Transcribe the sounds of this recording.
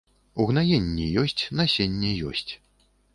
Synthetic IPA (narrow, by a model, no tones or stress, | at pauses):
uɣnajenʲːɛjɔsʲt͡sʲnasʲenʲːɛjɔ̰sʲt͡sʲ